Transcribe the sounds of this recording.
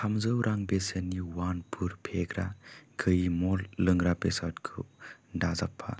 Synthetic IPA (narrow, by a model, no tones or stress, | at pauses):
kʰamzɯwɾʔaŋbesəniwanpʰuɾpʰeɡɾaɡɯjimɔlːɯŋɾabesatkʰɯ̰dazapʰːa̰